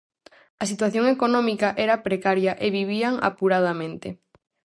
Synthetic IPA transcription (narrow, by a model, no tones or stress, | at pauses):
ɐsit̪waθjoŋekonɔ̃mikaʔɛɾɐpɾekaɾjɐʔeβiβ̞iaŋa̰puɾaðamẽnt̪e